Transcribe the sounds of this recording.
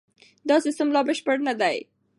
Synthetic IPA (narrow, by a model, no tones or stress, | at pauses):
d̪ɑsist̪əmlɑbəʃpəɽnad̪aj